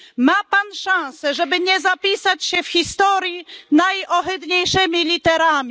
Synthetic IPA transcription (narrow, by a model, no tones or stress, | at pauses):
mapanʂãw̃sɛʐɛbɘɲɛzapʲisat͡ɕɕɛfxʲist̪ɔɾʲjinajɔɦɪd̪ɲejʂɛmʲilʲit̪ɛɾamʲi